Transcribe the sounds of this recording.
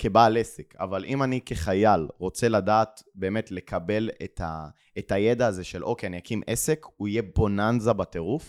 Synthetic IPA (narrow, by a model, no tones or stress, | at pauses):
kʰebaleseka̰valʔimanike̞χajalʁo̞t͡se̞ladaːtbe̞ːmetle̞kʰabe̞letʰa | etajedaːzeʃelʔo̞keaniakimʔesekuijebonanzabate̞ʁuf